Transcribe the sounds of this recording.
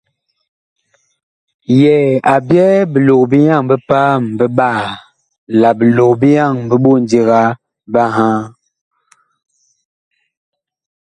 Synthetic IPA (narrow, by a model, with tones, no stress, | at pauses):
jɛ˨a˨bjɛ˦bə˨lo˨kbi˦ja˦˨ŋbə˦pa˦m˨bə˦ɓa˦˨ | la˨bə˨lo˨kbi˦ja˦˨ŋm˨bə˦ɓo˦˨n˦di˦ɣa˦ | ba˦ɦã˦